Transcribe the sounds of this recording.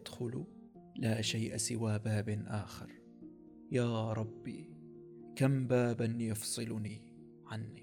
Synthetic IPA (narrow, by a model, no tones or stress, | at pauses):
d̪̥xʊl | laːʃajʔasɪwaːbaːbʔaːxɑ̰ɾˤ | jaːɾˤɑbːi | kambaːbanjɑfsˤɨlni | ʕanːi